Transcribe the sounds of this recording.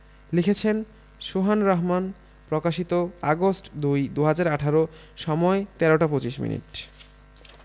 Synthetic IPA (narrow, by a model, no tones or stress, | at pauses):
likʰet͡ɕʰen | ʃoɦanɾaɦman | pɾokaʃit̪oaɡosʈd̪ujd̪uɦad͡ʑaɾaʈʰaɾo | ʃɔmɔet̪ɛɾoʈapot͡ɕiʃmḭnḭʈ